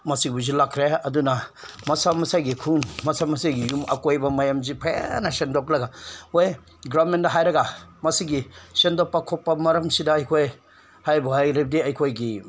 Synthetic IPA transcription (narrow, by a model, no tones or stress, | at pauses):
mɐsibuzilakʰɾeɐduna | mɐsamɐsajɡikʰunmɐsamɐsajɡijumɐ̰kojbɐmajamzipʰeja̰nasendoklɐɡaoj | ɡɾabmendɐɦajɾɐɡamɐsiɡisendopːɐkʰɔpːɐmɐɾɐmsidaːjkʰoj | hajbuajɾibdiɐjkʰojɡi